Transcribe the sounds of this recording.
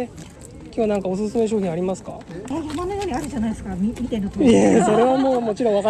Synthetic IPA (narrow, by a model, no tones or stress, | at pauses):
e | kʲoβanãŋkaos̬ɨsɨme̞ɕ̬oːçʲĩaɾʲimasɨ̥ka̰ejamanojo̞ːɲ̟ʲiaɾɯ̟ʑanaidesɨ̥kamʲimʲit̪enːot̪oeso̞ɾe̞βamoːmo̞t͡ɕiɾõ̞βaka